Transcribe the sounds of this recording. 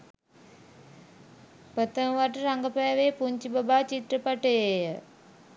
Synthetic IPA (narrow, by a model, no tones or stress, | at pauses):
pət̪əmʋaʈəɾaŋɡəpɛːʋepuɲt͡ʃibabaːt͡ʃit̪rəpaʈəjejə